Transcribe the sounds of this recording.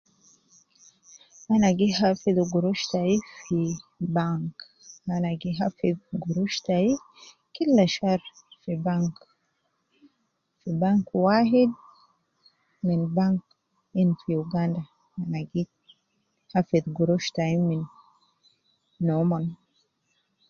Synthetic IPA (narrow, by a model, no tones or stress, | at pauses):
ʔanaɡiɦafiðuɡuɾuʃt̪aifibaŋk | hanaɡiɦafiðɡuɾuʃt̪ai | kilːaʃaɾ | fibaŋk | fibaŋkwaːhid̪̚ | minbaŋk | infiuɡand̪a | hanaɡi | hafiðɡuɾuʃt̪aimin | oman